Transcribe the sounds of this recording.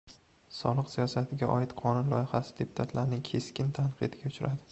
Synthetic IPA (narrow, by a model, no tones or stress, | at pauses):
sɒ̰lˠɨqsijɒsat̪ʰɪɡʲaʔɒɪt̪qʰɒnʊnlˠɒjɪχasɪ̥d̪e̞pʰʊ̥t̪ʰat̪ʰlaɾnɪŋkʲʰe̞skʲɪnt̪ʰanqʰɨ̰d̪ɪɡʲaʊt͡ʃʰʊɾʔad̪ɪ